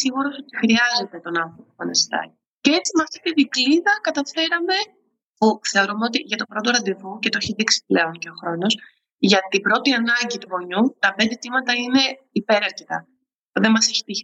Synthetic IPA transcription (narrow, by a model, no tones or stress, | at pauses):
siɣuɾo̞so̞t̪i̥xɾiɐze̞t̪e̞t̪o̞nɐnθɾo̞pofɐnest̪ɐ̰ci | ceet͡simɐft̪it̪iðikliðɐkɐt̪ɐfe̞ɾɐme̞ | puθeo̞ɾumeo̞t̪iʝɐt̪opɾo̞t̪o̞ɾɐnd̪ivucet̪oeçiðiksi̥ple̞o̞nce̞o̞xɾo̞no̞s | ʝɐt̪ibɾo̞t̪iɐnɐɲɟit̪uvo̞ɲut̪ɐpe̞nd̪e̞t̪imɐt̪ɐine̞ | ipe̞ɾɐɾcet̪ɐ | puðe̞nmɐse̞çi̥t̪iç